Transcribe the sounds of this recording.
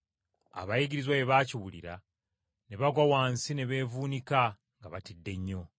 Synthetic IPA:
a̰βajiɟiɾizwaβeβaːciβulḭɾa̰ | ne̞βaɡwawaːnsine̞βe̞ːvuːnika | ŋɡaβatidːe̞ɲːo̞

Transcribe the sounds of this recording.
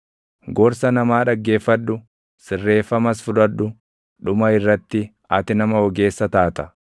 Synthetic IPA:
ɡɔɾsɐnɐmaːᶑɐɡːe̞ːfːɐᶑːʊ | sɪrːe̞ːfːɐmɐsfʊᶑɐᶑʊ | ᶑʊmɐɪrːɐt̪ːɪ | ɐt̪ɪnɐmɐɔɡe̞ːsːɐt̪aːt̪ɐ̥

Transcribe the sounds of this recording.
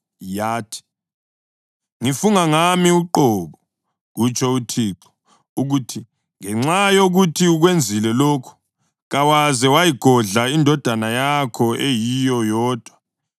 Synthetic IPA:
jaːtʰi̥ | ŋifuŋaŋamiuǃɔβɔ | ɣut͡ʃʰɔutʰiːǁɔ̥ | uɣutʰi | ŋɛŋ͡ǀajoɣutʰiuɣwend͡zʱilɛloːkʰu̥ | ɣawazɛwajiɡ̥ʱɔɮaindʱɔd̥ʱanajakʰɔejijɔjɔːd̥ʱwa

